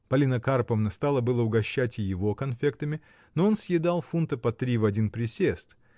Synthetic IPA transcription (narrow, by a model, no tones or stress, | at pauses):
pɐlʲinəkarpəvnəst̪ɑlˠəbɨlˠəʊɡɐɕːætʲɪjɪvo̞kɐnfʲe̞kt̪əmʲɪ | noo̞nsʲjɪd̪alˠfunt̪əpɐt̪ɾʲivɐdʲinpɾʲɪsʲest̪